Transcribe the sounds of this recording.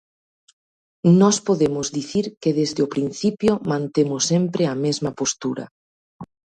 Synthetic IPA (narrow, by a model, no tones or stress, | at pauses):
nɔspoðemʊzðiθiɾkeðezðeopɾin̟θipjomãnt̪emʊsːempɾɪɐmezmɐpost̪uɾɐ̰